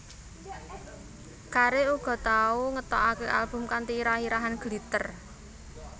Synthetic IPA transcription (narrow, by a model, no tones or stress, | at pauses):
kaɾeuɡ̥ɔ̤t̪auŋət̪ɔʔakeʔalb̥ʊ̤mkant̪iɾahiɾaɦanɡ̥lit̪ər